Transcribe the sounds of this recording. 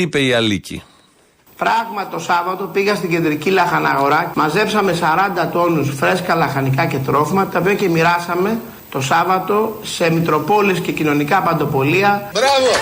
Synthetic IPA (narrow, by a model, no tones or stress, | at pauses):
ipe̞iɐlicḭ | pɾɐɣmɐt̪o̞sɐvɐt̪o̞piɣɐst̪iɲɟe̞nd̪ɾicilɐxɐnɐɣo̞ɾɐmɐze̞psɐme̞sɐɾɐnd̪ɐt̪o̞nusfɾe̞skɐlɐxɐnikɐce̞t̪ɾo̞fimɐt̪ɐopiɐce̞miɾɐsɐme̞ | t̪o̞sɐvɐt̪o̞se̞mit̪ɾo̞po̞lisce̞cino̞nikɐpɐnd̪o̞po̞liɐbɾɐvo